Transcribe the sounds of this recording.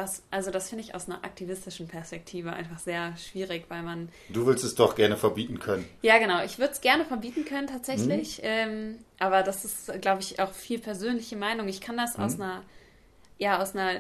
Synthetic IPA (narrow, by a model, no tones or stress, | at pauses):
d̥asʔalzodasfɪndəɪça̰ʊsnɐɐʔa̰k̚tʰivɪstɪʃn̩pʰɛɐspɛk̚tʰiːvəʔa̰ɪnfaχz̥eːɐʃv̥iːʁɪçv̥aɪlman | d̥uːvʏɐstɛsd̥ɔχɡ̥ɛɐnəfɛɐbiːtn̩kʰœnənjaːɡənaʊʔɪçv̥ʏɐdəsɡ̥ɛɐnəfɛɐbiːtn̩kʰœnəntʰaːtz̥ɛçlɪçʔɛːmʔaːbɐdasɪstɡ̥laʊbəɪça̰ʊxfiːlpʰɛɐzøːnlɪçəmaɪnʊŋɪçkʰandasʔa̰ʊsnɐ | jaːaʊsnɐ